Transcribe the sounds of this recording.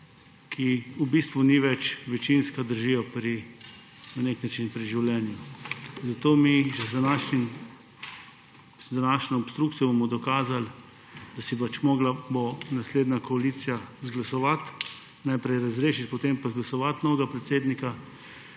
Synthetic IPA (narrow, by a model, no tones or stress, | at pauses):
kʰiubist̪ʋuniʋɛt͡ʃʋɛt͡ʃinskad̪əɾʒijɔpɾi | naneknat͡ʃinpɾiʒiwlʲɛnjuzat̪oːmiʒɛzd̪anaʃnim | d̪anaːʃnɔɔpst̪ɾukt̪ijɔbomɔd̪ɔkaːzal | d̪̥asipat͡ʃmɔːɡlabonasleːd̪nakɔaliːt̪sijazɡlasɔʋat̪ | najpɾɛjɾazɾeːʃit̪pɔt̪empazɡlasɔʋat̪nɔːwɡapɾɛt̪seːd̪nika